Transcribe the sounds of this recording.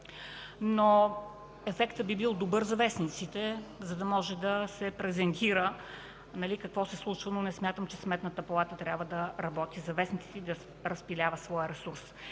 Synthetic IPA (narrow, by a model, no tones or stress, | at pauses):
no | ɛfɛkt̪əbibilˠd̪obɤɾzɐvɛsnit̪sit̪ɛzɐd̪ɐmɔʒɛd̪ɐsɛpɾɛzɛnt̪iɾə | nɐlikɐkvɔsɛslˠut͡ʃvənonɛsmʲat̪əmt͡ʃɛsmɛt̪nət̪əpɐlˠat̪ət̪ɾʲabvəd̪ɐɾɐbɔt̪izɐvɛsnit̪sit̪ɛid̪ɐ | ɾɐspilʲavəsvɔjəɾɛsuɾs